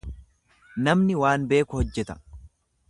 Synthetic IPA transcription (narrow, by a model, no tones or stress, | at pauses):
nɐmnɪwaːnbe̞ːkʊhɔd͡ʒːɛt̪ɐ̥